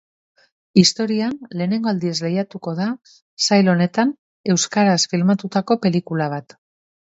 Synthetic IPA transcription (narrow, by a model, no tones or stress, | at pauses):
ist̪o̞ɾianle̞ːne̞ŋɡo̞ald̪ie̞zle̞jat̪uko̞ð̞a | sajlo̞ne̞t̪an | e̞wskaɾasfilmat̪ut̪ako̞pe̞likulaβ̞at̪